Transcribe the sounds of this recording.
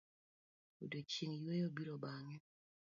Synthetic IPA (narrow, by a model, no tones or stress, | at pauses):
udot͡ʃiŋjwejobiɾobaŋɛ